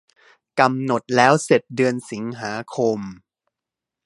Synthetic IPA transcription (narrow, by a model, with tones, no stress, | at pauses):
ka˧mno˨˩t̪̚lɛː˦˥wse˨˩t̪̚dɯ˧ənsi˩˦ŋɦaː˩˦kʰo˧m